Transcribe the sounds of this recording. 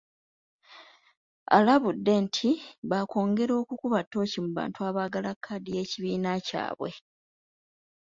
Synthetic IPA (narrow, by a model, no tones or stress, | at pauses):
a̰laβudːe̞ntʰiβakʰo̞ːŋɡe̞ɾo̞ːkukuβatːo̞ːcimuβa̰ːntuaːβaːɡalakʰːadije̞ːciβiːnaca̰ːβwe̞̰